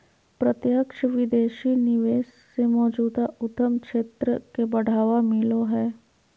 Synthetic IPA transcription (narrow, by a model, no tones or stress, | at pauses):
pɾɐt̪jəkʃəʋɪd̪eːʃinɪʋeːʃ | semɔːd͡ʒuːd̪aʊt̪əmkʃeːt̪ɾəkebɐɽ̤aːʋamɪloɦɛː